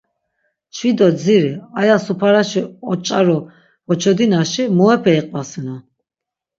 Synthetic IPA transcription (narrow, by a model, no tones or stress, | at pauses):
t͡ʃʰwid̪ɔd͡ziɾiajasupʰaɾaʃiɔt͡ʃʼaɾɔ | hɔt͡ʃʰɔd̪inaʃimɔɛpʰɛiqʼvasinɔ